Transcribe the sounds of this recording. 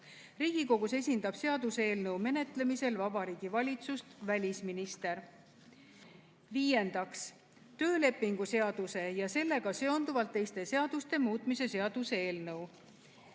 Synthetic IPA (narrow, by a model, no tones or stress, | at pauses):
riːɡ̥iko̞ɡ̥use̞sʲind̪ɑb̥se̞ɑd̪̥usee̞ːlnɤwme̞ne̞t̪ˑle̞mise̞lvɑbɑɾiːɡ̥ivɑlʲit̪sust̪vælʲisminist̪e̞ɾ | viːje̞nd̪̥ɑks | t̪ø̞ːle̞pːiŋɡ̥use̞ɑd̪̥use̞jɑse̞lːe̞ɡɑse̞o̞nd̪uvɑlt̪ːe̞jst̪e̞se̞ɑd̪̥ust̪e̞muːt̪ˑmise̞se̞ɑd̪̥usee̞ːlnɤw